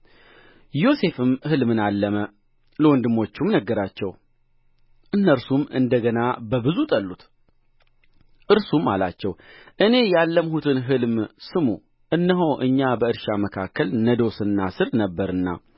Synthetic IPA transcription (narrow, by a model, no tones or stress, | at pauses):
jo̞se̞fɨmhɨlmɨnalːəmə | ləwɔnd̪ɨmːo̞t͡ʃːumnəɡːəɾat͡ʃːɛw | ʔɨnːəɾsumɨ̰nd̪əɡənabəbɨzut̪ʼəlːut̪ | ʔɨɾsuma̰la̰t͡ʃːɛwʔɨne̞jalːəmhut̪ʰɨnɦɨlmsɨmṵ | ʔɨnːəɦəwʔɨɲːabəɨɾʃaməkʰakːəlnəd̪o̞sɨnːasɨɾnəbːəɾɨnːa̰